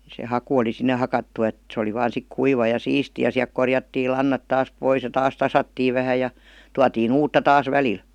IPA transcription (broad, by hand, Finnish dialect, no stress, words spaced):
se hɑku oli sinːe hɑkɑtːu et se oli ʋɑːn sik kuiʋɑ jɑ siːsti jɑ siæl̆k korjɑtːiː lɑnːɑt tɑːs pois jɑ tɑːs tɑsɑtːiːʋ ʋæhæ jɑ tuɑtiːn uːtːɑ tɑːs ʋælil